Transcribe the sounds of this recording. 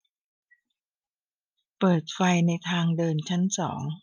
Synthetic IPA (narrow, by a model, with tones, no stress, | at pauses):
pɤː˨˩t̪̚fa˧jna˧jt̪ʰaː˧ŋdɤː˧nt͡ɕʰa˦˥nsɔ̰ː˩˦ŋ